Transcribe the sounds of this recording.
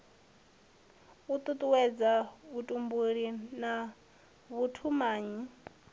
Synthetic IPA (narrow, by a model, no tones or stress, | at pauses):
ut̪ʼut̪ʼuwɛd͡zaβutʼumbuɺina | βutʰumaːɲi